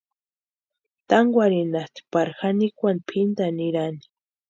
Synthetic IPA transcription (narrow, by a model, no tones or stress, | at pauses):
t̪aŋɡwʷaɾinat̪i̥paɾxanikʷanpʰind̪aniɾani̥